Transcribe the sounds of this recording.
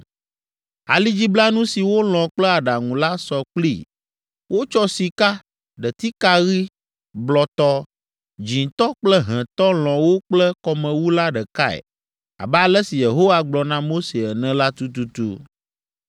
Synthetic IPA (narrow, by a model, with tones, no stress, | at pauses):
a̰˨li˦d͡ʑi˦bla˦nũ˦si˨wo˦l̃ɔ̃˨k͡plɛ˦a˨ɖa˨ŋũ˨la˦sɔ˨k͡plḭ˦˨ | wʔo˦t͡ʃɔ˦si˨ka˦ | ɖə˨t̪i˦ka˦ɣi˦ | blɔ˨t̪ɔ˦ | d͡ʒĩ˨t̪ɔ˦k͡plə˦ɦɛ̃˨t̪ɔ˦l̃ɔ̃˨wo˦k͡plɛ˦kɔ˨mɛ̃˨wu˦la˦ɖɛ˨ka˦ɛ̰˨ | a̰˨bɛ˦a˨lɛ˦si˨je˨ɦo˦wa˦ɡ͡blɔ˨nã˦mo˦se˨ɛ˨nɛ̃˨la˦t̪u˦t̪u˦t̪ṵ˦